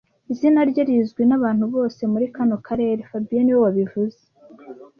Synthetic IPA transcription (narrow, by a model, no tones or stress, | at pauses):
izinaɾɟaɾizɡwinaβaːn̥huβo̞ːse̞muɾikano̞kʰaɾe̞ːɾe̞fabijeniwo̞waβivuze